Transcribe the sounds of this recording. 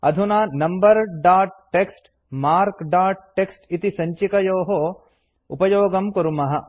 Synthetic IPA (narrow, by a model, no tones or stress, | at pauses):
ɐd̪ʱunaːnɐmbɐɾɖaːʈ̚ːeksʈ | maːɾkɖaːʈ̚ʈːeksʈit̪isɐɲt͡ʃikɐjoːɦo | ṵpɐjoːɡɐmkɐɾumɐɦɐ